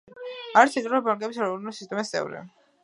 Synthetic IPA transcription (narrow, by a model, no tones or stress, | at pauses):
aɾt̪sʰit̪ʼɾɔbaŋkʼɛbisaɾɔɾnusi̥st̪ʼɛmast̪sʼɛ̰vɾḭ